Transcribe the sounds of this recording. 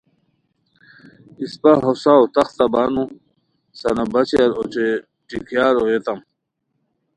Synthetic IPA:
ispaɦosaot̪ɐxt̪ɐbaːnũ | sɐnabɐt͡ɕeaɾot͡ɕe | ʈikʰjaːɾojet̪ɐm

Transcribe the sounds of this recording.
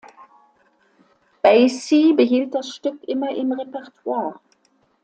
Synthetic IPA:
b̥aɪsiːbəɦiːlt̚d̥asʃtʏkʔɪmɐʔɪmʁepɛʁtʰwaːɐ

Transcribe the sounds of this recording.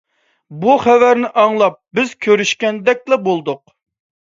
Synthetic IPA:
buχɛvæɾnɪʔɑŋlˠɑp̚bɪz̥kʲʰøɾyʃkʲɛnd̪ɛk̚ʲlɛbolˠd̪ʊq̚

